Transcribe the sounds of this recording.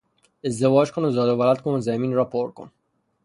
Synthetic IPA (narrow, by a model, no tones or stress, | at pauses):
ezd̪evɒːd͡ʒkʰonozɒːd̪ovælæt̪kʰonozæmiːnɾɒːpʰoɾko̰n